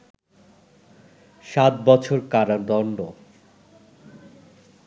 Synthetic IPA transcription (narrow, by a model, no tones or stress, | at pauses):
ʃat̪̚bɔt͡ɕʰoɾkaɾad̪ɔɳɖo